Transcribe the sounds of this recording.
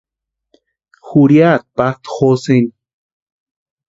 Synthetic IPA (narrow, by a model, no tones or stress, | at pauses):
xuɾjat̪̚pat̪xosen